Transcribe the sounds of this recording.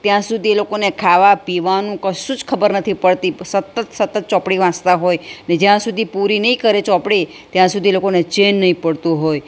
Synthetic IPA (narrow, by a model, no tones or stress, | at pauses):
t̪jãsud̪ʱielokonekʰaʋapiʋanũkəʃũd͡ʒkʰəbəɾnət̪ʰipəɭt̪isət̪ːət̪sət̪ːət̪̚t͡ʃɔpɽiʋãt͡ʃt̪aɦojned͡ʒjãsud̪ʱipuɾinəĩkəɾet͡ʃɔ̃pɽi | t̪jãsud̪ʱielokonet͡ʃenːəɦĩpəɽt̪ũɦoj